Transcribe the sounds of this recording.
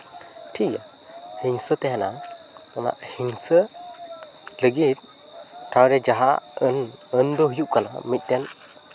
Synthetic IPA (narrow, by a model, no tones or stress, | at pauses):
ʈʰika | hiŋsət̪ɛɦɛna̰ | ama̰ʔhiŋsə | ləɡit̪̚ | tʰawɾɛd͡ʒaɦa̰ənənd̪ɔɦujuʔkalaa̰mit̪̚ˀdɛn